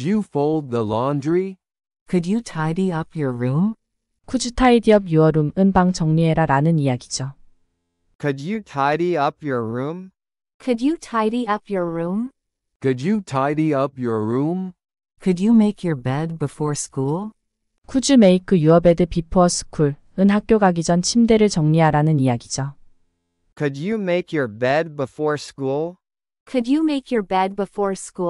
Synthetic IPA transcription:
jɨfoʊlˠd̪̚ðəlɑ̃ndɹi | kʰɨdɨtʰaɪɾiʌpjɔ˞ɹũm | kʰud͡ʑutʰaidiʌb̚juʌɾumɯnbaŋt͡ɕʌŋɲieɾaɾanɯnijaɡid͡ʑo | kʰɨdɨtʰaɪɾiʌpjə˞ɹũm | kʰɨdjɨtʰaɪɾiʌpʰjɔ˞ɹũm | kʰɨd͡ʒɨtʰaɪɾiʌpjə˞ɹũm | kʰɨdɨmeɪkʰjə˞bɛd̚bɨfɔɹskulˠ | kʰud͡ʑume̞ikʰɯjuʌbe̞dɯpipʰʌsʰɯ̥kʰuɭ | ɯnɦak̚k͈joɡaɡid͡ʑʌnt͡ɕʰimde̞ɾɯɭt͡ɕʌŋɲiɦaɾanɯnijaɡid͡ʑa | kʰɨdɨmeɪkjə˞bɛd̚bəfɔɹskulˠ | kʰɨdjɨmeɪkjɔ˞bɛd̚bəfɔɹsku

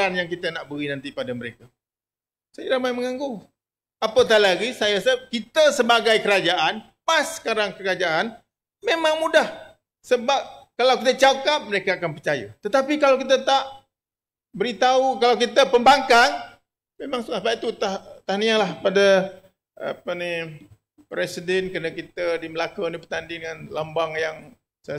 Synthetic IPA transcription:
anjaŋkit̪ənaʔbəɣinant̪ipadaməɾeka | sajaɾamajməŋaŋɡu | apət̪̬aʔlaɡisajasəkit̪əsəbaɡajkəɾad͡ʒaʔan | pasːə̥kaɾaŋkəɾad͡ʒaʔan | memãŋmudah | səbap̚kalawkit̪ət͡ʃakap̚məɾekaakanpərt͡ʃajə̰t̪ət̪apikalawkit̪ət̪aʔ | bəɾit̪aukalawkit̪əpəmbaŋkaŋ | mẽmãŋsulasbapit̪ut̪at̪ahnialahpada | a̰pəni | pɾɛsidɛnkənəkit̪ədiməlakənipət̪andidəŋanlambaŋjaŋ | sa

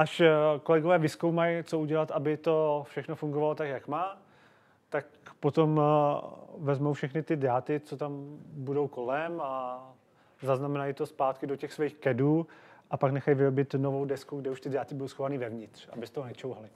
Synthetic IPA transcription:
ʔaʃko̞lɛɡovɛːvɪskowmajt͡so̞uɟɛlat̪ʔabɪt̪o̞fʃɛxno̞fuŋɡovalot̪akjakmaː | t̪akpo̞t̪o̞m | vɛzmowfʃɛxnɪt̪ɪdat̪ɪt͡so̞t̪ambudowko̞lɛma | zaznamɛnajɪt̪o̞spaːt̪kɪdo̞cɛxsvɛjxkɛduːʔapaknɛxajvɪɾobɪt̪novo̞wdɛskuɡdɛuʃt̪ɪdaːt̪ɪbudowsxovaniːvɛvɲɪt̪r̝̥a̰bɪst̪oɦonɛt͡ʃowɦalɪ

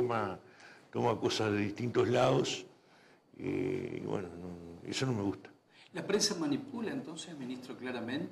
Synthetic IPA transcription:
omat̪o̞makosaðeðiht̪int̪ozlaðos | ḛḭβwḛnononḛsonomeɣust̪ḁ | lapɾensamanipulaent̪onsesamĩnist̪ɾoklaɾamẽnt̪

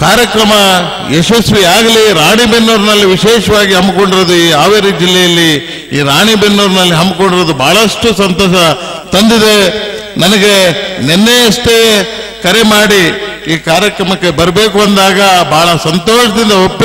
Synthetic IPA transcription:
kaːɾjɐkɾɐmɐ | eʃɐsʋiaːɡɐliɾaːɳibenːuːɾnɐlːiʋiʃɛːʃɐʋaːɡiɦɐmːko̞ɳɖiɾod̪uiːaːʋeɾid͡ʒilːɛjɐlːi | iːɾaːɳibenːuːɾnɐlːiɦɐmbko̞ɳɖiɾod̪ubʱaːɭɐʂʈusɐnt̪ɔːʃɐ | t̪ɐnd̪id̪e̞ | nɐnɐɡe̞nenːejɐsʈ̪e | kɐɾe̞maːɽi | iːkaːɾjɐkɾɐmɐkːe̞bɐɾɐbe̞ːkuɐnd̪aːɡɐbʱaːɭɐsɐnt̪oːʃɐd̪ind̪ɐopː

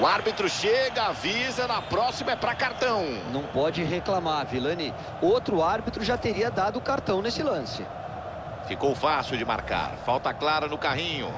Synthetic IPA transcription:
ʊaɾbit̪ɾʊʃeɡɐavizɐnɐpɾɔsimɐɛpɾɐkaɾt̪ɐ̃w̃nɐ̃w̃pɔd͡ʒɪɦeklamaɾvilɐni | owt̪ɾʊaɾbit̪ɾʊʒat̪eɾiɐd̪ad̪ʊːkaɾt̪ɐ̃w̃nesɪlɐ̃sɪ̰ | fikowfasiwd͡ʒɪma̰ɾka̰ɾfawt̪ɐklaɾɐnʊkaɦĩɲʊ̰

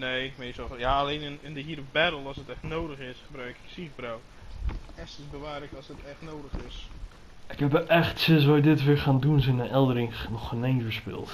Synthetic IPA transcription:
neːmeːsɔjaːlejnɪnɪndəɦiːɾəbɛɾəl̩ˠɔsətɛxtnoːdəxɪsχəbrœɥkɪ̥ksiɣbraw | ɛstɪsbəʋaːrləkɔsətɛxtnowdəxɪs | ʔɪkhɛpəʔɛxtsɪsʋɔjdɪtʋɪɹxaːndunsɛnənʔɛlˠdəɾɪŋnɔxənenvəɹspɪ̰lˠt

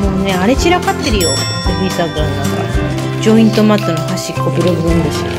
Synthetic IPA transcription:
moneaɾe̞t͡ɕiɾakat̪ːe̞ɾɯ̟jo̞ | obisaɡannaka̰sõd͡ʑoĩnt̪o̞mat̪ːonohaɕikːobɯ̟ɾoɡɯ̟ɯ̃nd̪eɕt̪a̰

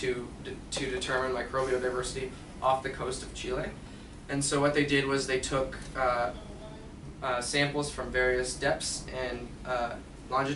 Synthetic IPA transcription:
tʰɨ | tʰɨdɨtʰɜ˞mɨ̃nmaɪkʰɹ̥oʊbioʊɾaɪvɜ˞sɨɾi | ʔɔfðɨkʰoʊstʌv̥t͡ʃʰilˠe | ɨ̃nsoʊwʌt̪̚ðeɪdɪd̚wʌzðeɪtʰʊk | sæ̃mpl̩ˠz̥fɹʌ̃ɱvɛɹiɨsd̥ɛpsɨ̃n | lɑ̃nd͡ʒɨ

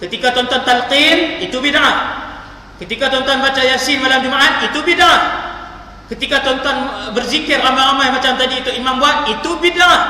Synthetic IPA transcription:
kət̪ikat̪ɔnt̪ɔnt̪alqinit̪ubinaʔat̪ | kət̪ikat̪ɔnt̪ɔnbat͡ʃajasɪnmalamd͡ʒumaʔat̪̚it̪ubinaat | kət̪ikat̪ɔnt̪ɔnbərzikɛrlambaɾamajmat͡ʃamt̪adiut̪ʊʔimambuat̪̚it̪ubinaa

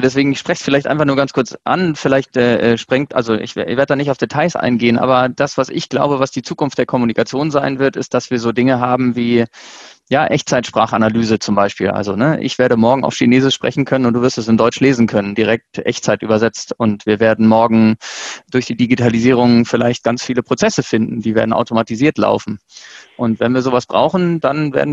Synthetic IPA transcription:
dɛs̬v̥eːɡŋ̩ɪçʃpʁ̥ɛçsfɪlaɪçtʔa̰ɪnfaχnuːɐɡant͡skʰʊɐt͡sʔa̰nfɪlaɪçtʔɛːʔɛːʃpʁ̥ɪŋtʔa̰lzoʔɪ̰çvveːɐdtəd̥aːnɪçtaʊfd̥etʰaɪsʔa̰ɪnɡeːənʔa̰ːbɐd̥asv̥asɪ̰çɡ̥la̰ʊbəvasd̥iːt͡suːkʊnftd̥eːɐkʰɔmunikat͡sjoːnzaɪnvɪɐtɪst̚d̥asv̥iːɐzoːdɪŋəɦaːbm̩viː | jaːʔɛçt͡saɪtʃpʁ̥a̰ːχanalyːzət͡sʊmbaɪʃpḭːlʔa̰lzonəʔɪ̰çv̥eːɐɾəmɔɐɡŋ̩a̰ʊfʃineːzɪʃʃpʁ̥ɛ̰çn̩kʰœnənʊntd̥uvɪɐstɛsɪndɔʏt͡ʃleːzn̩kʰœnəndiʁɛk̚tʔɛ̰çtt͡saɪtʔy̰ːbɐzɛt͡stʊntv̥iːɐveːɐdn̩mɔɐɡŋ̩d̥ʊɐçd̥iːdiɡitʰaliziːʁ̞ʊŋfɪlaɪçt̚ɡ̥ant͡sfiːləpʁ̥ot͡sɛsəfɪndn̩diːveːɐdn̩ʔa̰ʊtomatiziːɐtla̰ʊfn̩ʔʊntv̥ɛnviːɐzoːvasb̥ʁa̰ʊxn̩d̥anvḛɐdn

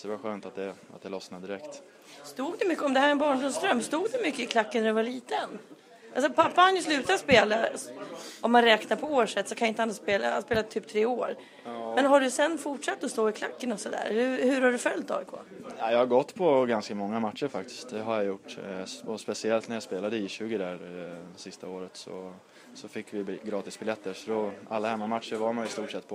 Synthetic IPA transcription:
d̪ɛvaɧøːnt̪at̪̚d̪ɛa̰t̪̚d̪ɛlɔsnad̪ɪɾɛkt̪ | st̪uːɡ̚d̪ɛmʏkːəɔmd̪ɛhæːɾɛnbɑːɳɖʊmst̪ɾœmːst̪uːɡd̪ɛmʏkːəɪkʰlakːənæɾɛvaɭiːt̪ən | alsɔpʰapːaanjɵslʉ̟ːt̪aspeːla | ɔmhanɾɛːknaɾpʰɔoːʂɛt̪ːsɔkʰanjɪɪnəhanːaspeːla̰aspeːlat̪ʰːyːp̚t̪ʰɾeːoːɾ | mɛnɦaɖɵsɛnːfʊʈʂat̪ːɔst̪oːɪkʰla̰kːənɔsɔd̪æ̰ːɾhɵhɵɾhaɖɵfœlt̪ːɑ̰ːkʰo̰ːnajɑhaɾɡɔt̪ːpʰɔɡanskamɔŋːamat̪ʂəɾfak̚t̪ɪ̥st̪̚d̪ɛɦaɾjajʊʈːɔspɛsɪɛlt̪næɾjaspeːlad̪əɪɕʉ̟ːɡɪd̪æɾsɪst̪aoːɾət̪sɔ̰ | sɔfɪkːvɪɡɾɑːt̪ɪsbɪljɛt̪ːəɾsɔd̪ɔalːahɛmːamat̪ʂəɾvaɾmanjɪst̪uːʈʂɛt̪ːpʰɔ

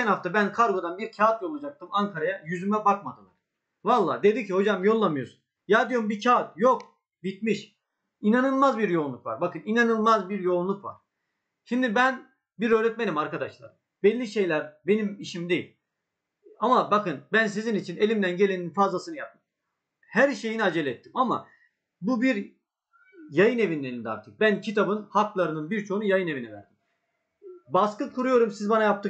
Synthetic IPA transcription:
ænhaft̪abænkʰaɾɡo̞d̪anbiɾcʰaːt̪̚jo̞lˠud͡ʒak̚t̪ɯmaŋkʰaɾajajyzymɛbakmad̪ɯlˠa̰ɾ̥ | valˠːa̰ːd̪e̞d̪icʰiho̞d͡ʒamjo̞lˠːamɯjo̞ɾsun | jaːd̪ijombicʰaːt̪jok̚ | bit̪̚miʃ | inanɯlˠmazbiɾjo̞unlˠukva̰ɾbakɯninanɯlˠmazbiɾjo̞unlˠukva̰ɾ̥ | ʃimd̪ibæn | biɾøːɾɛt̪̚menimaɾkad̪aʃlˠa̰ɾ | bɛlʲːiʃe̞jlʲæɾbe̞nimiʃimd̪e̞jilʲ | amabakɯnbæns̬izinit͡ʃʰine̞lʲimd̪ænɟe̞lʲe̞ninfazlˠasɯnɯjap̪̚ɯm | hæɾʃe̞jiniad͡ʒelʲɛt̪ʰːi̥mama̰ | bubiɾ | jajɯne̞vinlːʲeɾind̪a̰ɾt̪ʰɯ̥k̚bæncʰit̪ʰabɯnhaklˠaɾɯnɯnbiɾt͡ʃʰo̞ɦunujajɯne̞vinɛvæ̰ɾd̪im | baskɯkʰuɾujo̞ɾumsizbanajap̚t̪ʰɯ

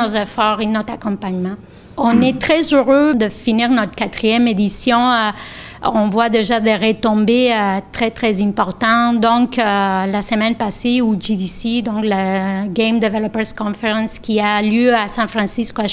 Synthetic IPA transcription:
ozɛfɔʁenɔt̪χakɔ̃paɲmɑ̃ | ɔ̃nɛt̪χɛzøʁød̪əfiniːʁnɔt̪χə̥kat̪χijɛmed̪isjɔ̃ | ɔ̃vwad̪eʒad̪eʁet̪ɔ̃beøt̪χɛt̪χɛzɛ̃pɔʁt̪ɑ̃d̪ɔ̃kølasəmɛnpaseuʒid̪isid̪ɔ̃kləɡɛ̃md̪evɛlɔpɛʁskɔ̃feʁɑ̃nskʲialjøasɛ̃fʁɑ̃siskoa

